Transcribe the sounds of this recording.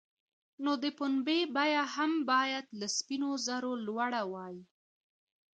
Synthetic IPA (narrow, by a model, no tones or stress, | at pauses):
nod̪əpʊnbebajahambɑjad̪laspinozaɾolwaɽawɑji